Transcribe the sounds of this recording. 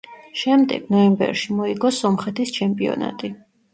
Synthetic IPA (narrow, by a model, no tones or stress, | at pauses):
ʃɛmd̪ɛ̰ɡ̥nɔɛmbɛ̰ɾʃimɔiɡɔsɔmχɛt̪ʰist͡ʃʰɛmpʼiɔ̰na̰t̪ʼi